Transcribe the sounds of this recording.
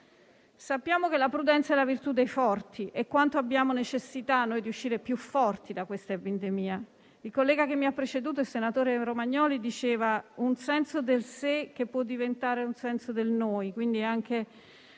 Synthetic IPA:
sapːjaːmokelapɾud̪ɛnt̪saɛlːavirt̪ud̪ːejfɔrt̪ʰiʔekːwant̪oabːjaːmonet͡ʃesːit̪anːoːjd̪iuʃːiːɾepjufːɔrt̪id̪akwest̪aepind̪emiːa | ilkolːɛːɡakemːiapːɾet͡ʃed̪uːt̪oelsenat̪oːɾeɾomaɲːɔːlid̪it͡ʃeːvaunsɛnsod̪elsek̟epːwɔd̪ːivent̪aːɾeunsɛnsod̪elnoːjkwind̪iaŋk̟e

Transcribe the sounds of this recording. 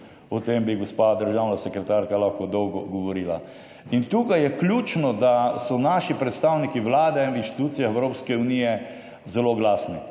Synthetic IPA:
ɔt̪embiɡospad̪əɾʒawnasɛkɾɛt̪aɾkalaxkɔd̪ɔwɡɔɡɔʋɔɾiːla | int̪uːkajɛklʲuːt͡ʃnɔd̪asɔnaʃipɾɛt̪st̪awnikiʋlaːd̪ɛinʋinʃt̪i̥t̪uːt̪sijaxɛwɾoːpskɛunijɛ | zɛloɡlaːsni

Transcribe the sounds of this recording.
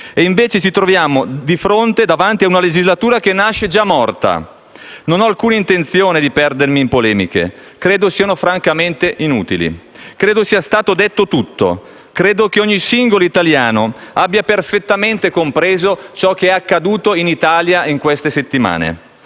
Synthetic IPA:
eiɱveːt͡ʃet͡ʃit̪ɾovjaːmod̪ifɾont̪ed̪avant̪iaunaled͡ʒizlat̪uːɾakenːaʃːed͡ʒamːɔrt̪a̰ | nonɔalkuːnaint̪ent̪sjoːned̪ipɛrd̪ermimpolɛːmḭkḛ | kɾeːd̪osiːanofɾaŋkament̪eʔinṵːt̪ilḭ | kɾeːd̪osiːast̪aːt̪od̪et̪ːot̪ut̪ːo̰ | kɾeːd̪ok̟eoɲːisiŋɡoloit̪aljaːnoabːjaperfet̪ːament̪ekompɾeːzot͡ʃɔk̟ːeɛakːad̪uːt̪oinit̪aːljaiŋkwest̪eset̪ːima̰ːnḛ

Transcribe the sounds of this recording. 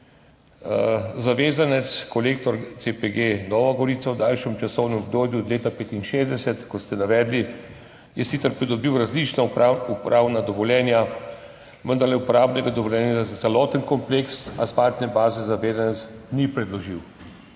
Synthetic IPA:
zaʋeːzanɛt̪skɔlekt̪ɔɾt̪sepeɡenɔːʋaɡɔɾiːt̪sawd̪aːlʃɛmt͡ʃasɔwnɛmɔbd̪oːb̪juɔd̪leːt̪apeːt̪inʃeːzd̪ɛsɛt̪kɔst̪ɛnaʋɛːd̪li | jɛsit̪sɛɾpɾid̪ɔbiwɾazlit͡ʃnaupɾʔaːwnad̪ɔʋɔljɛːnja | ʋənd̪aɾlɛupɔɾaːbnɛɡad̪ɔʋɔljɛːnjaazat̪sɛlɔːt̪ənkɔmpleksa̰spaːt̪nɛbaːzɛzaʋeːzanɛt̪snipɾɛd̪lɔʒiw

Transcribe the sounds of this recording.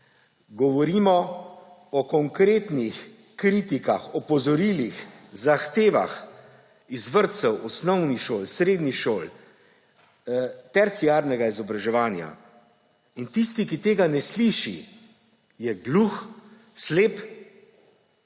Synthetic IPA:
ɡɔʋɔɾimɔ | ɔkɔŋkɾeːt̪nix | kɾiːt̪ikaxɔpɔzɔɾiːlixzaxt̪eːʋa̰x | izʋəɾt̪sɛwɔsnɔwnixʃoːlsɾeːd̪niʃoːl | t̪ɛɾt̪siaːɾnɛɡaizɔbɾaʒɛʋaːnja̰ | int̪ist̪ikit̪eːɡanɛsliːʃḭ | jɛɡlux | sleːp

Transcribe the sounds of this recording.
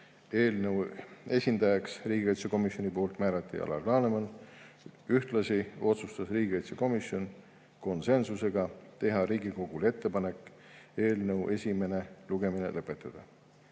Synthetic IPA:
e̞ːlnəwe̞sʲind̪̥ɑjɑksriːɡiɑjt̪seko̞misʲjo̞nipoːult̪ˑmæːɾɑt̪ːˑḭʔɑ̰lʔɑ̰lɑːnemɑn | yht̪lɑsio̞t̪sust̪ɑsriːɡiɑjt̪seko̞misjo̞n | ko̞nse̞nsuse̞ɡ̥ɑt̪e̞ɦɑɾiːɡiko̞ɡ̥ulee̞t̪ːe̞pɑne̞kːˑ | e̞ːlnəwʔe̞sʲime̞ne̞luɡ̥e̞mine̞̰lʔɤ̞pːˑe̞t̪ːˑɑd̪̥ɑ

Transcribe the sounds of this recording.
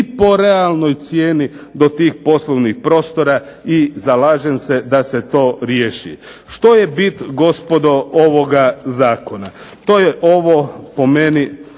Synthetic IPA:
ipo̞ɾealˠno̞jt̪sjeːnid̪o̞t̪iːxpo̞slˠoʋnixpɾo̞ːst̪o̞ɾa | izalaːʒense̞d̪ase̞t̪o̞ːɾjeːʃḭ | ʃt̪o̞jebit̪ɡo̞spo̞d̪o̞oʋo̞ɡazaːko̞na | t̪oːjeʔo̞ʋopo̞me̞ni

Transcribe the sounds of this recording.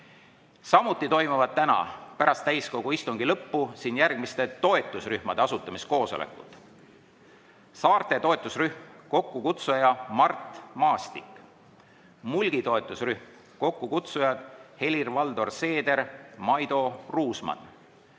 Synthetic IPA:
sɑmut̪ːˑit̪o̞jmuvɑd̪̥̚t̪ænɑ̰pæɾɑst̪ːæjsko̞ɡ̥uist̪uŋɡilɤpːusiːnjærɡ̥mist̪e̞t̪o̞e̞t̪ːˑusryhmɑd̪e̞ɑsut̪ːˑɑmisko̞ːso̞lʔḛkːṵt̪ːˑ | sɑːrt̪e̞t̪o̞e̞t̪ːˑusryhmko̞kːukut̪sujɑmɑrt̪mɑːst̪ik | mulɡ̥it̪o̞e̞t̪ːˑusryhm | ko̞kːukut̪sujɑd̪̥he̞lʲirvɑld̪o̞rse̞ːd̪e̞ɾmɑjd̪̥o̞ruːsmɑ̰n

